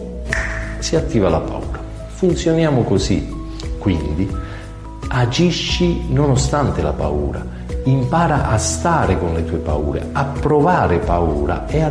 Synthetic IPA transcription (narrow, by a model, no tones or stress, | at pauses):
siat̪ːiːvalapa̰ṵːɾa | funt̪sjonjaːmʊkozḭ | kːwind̪i | ad͡ʒiʃːinonost̪ant̪ɪla̰pa̰ṵːɾa̰ | impaːɾaʔast̪aːɾɪkonlet̪uːepa̰ṵːɾḛapːɾɔvaːɾɪpauːɾa̰ea